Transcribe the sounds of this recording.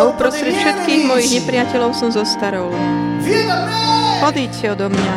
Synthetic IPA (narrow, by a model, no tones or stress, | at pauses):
upɾɔst̪ɾɛcfʃɛt̪kiːɣmɔjiɣɲɛpɾɪjacɛlɔʊsɔmzɔst̪aɾɔl | ɔd̪iːcɛɔd̪ɔmɲa